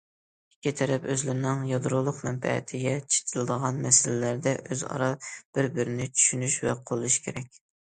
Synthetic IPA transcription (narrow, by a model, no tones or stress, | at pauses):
ikʲːit̪ʰɛɾɛpøzlɪɾnɪŋjɑd̪ɾolˠʊqmɛnfɛ̰ɪ̰t̪ʰɪɡʲɛt͡ʃʰe̥t̪ʰɨlˠɨd̪əʁɑnmɛsɪlɪlæɾd̪ɛʔøzɑ̰ɾɑb̥ɪɾbɪɾɪnɪt͡ʃʰy̥ʃynyʃvɛqʰolˠuʃkʲʰeɾɛk̚ʲ